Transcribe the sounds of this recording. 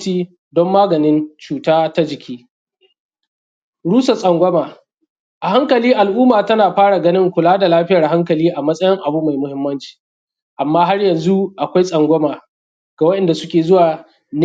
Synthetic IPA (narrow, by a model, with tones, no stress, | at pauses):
t͡ʃiː˦ | dɔ˦mːaː˦ɡɐ˨nɪ˦nt͡ʃuː˨taː˦ta˦d͡ʒɪ˨kʲʰiː˦ | ɽuː˦sa˨sʼɐ˨ŋɡʷɐ˦maː˨ | ʔa˨ɦa˦ŋkɐ˨liː˦ʔa˨lʔuː˦maː˨tɐ˦naː˨ɸaː˦ɽa˨ɡɐ˦nɪ˦ŋkʷʊ˨laː˦da˨laː˦ɸɪ˦jɐ˨rɦa˦ŋkɐ˨liː˦ʔa˨mɐ˦sʼɐ˦jɪ˦ŋʔa˨bu˦ma˨jmʊ˦hɪ˦mːɐ˦nt͡ʃi̥ː˨ | ʔa˨mːaː˦ɦa˦rjɐ˨nzu˦ʔa˨kʷa˦jsʼɐ˨ŋɡʷɐ˦maː˨ | ɡ̥a˨wɐ˦ɗɛ˨nda˨sʊ˦kʲeː˨zʊ˦waː˨ | n